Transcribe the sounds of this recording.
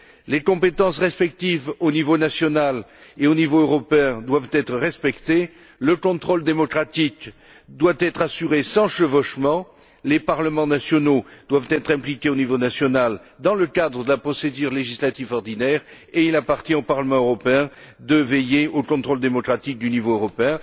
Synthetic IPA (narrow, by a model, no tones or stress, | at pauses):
lekɔ̃pet̪ɑ̃sʁɛspɛk̚t̪ivonivonasjɔnaleonivoøʁɔpeɛ̃d̪wavt̪ɛt̪χəʁɛspɛkt̪e | ləkɔ̃t̪χɔld̪emɔkχat̪ik | d̪wat̪ɛt̪χasyʁesɑ̃ʃəvɔʃmɑ̃ | lepaʁləmɑ̃nasjɔnod̪̥wavt̪ɛt̪χɛ̃plikʲeonivonasjɔnald̪ɑ̃ləkad̪ʁəd̪əlapχɔsed̪yʁleʒislat̪ivɔʁd̪inɛʁ | eilapaʁt̪jɛ̃opaʁləmɑ̃øʁɔpeɛ̃ | d̪əvɛjeokɔ̃t̪χold̪emɔkχat̪ik̚d̪ynivoøʁɔpeɛ̃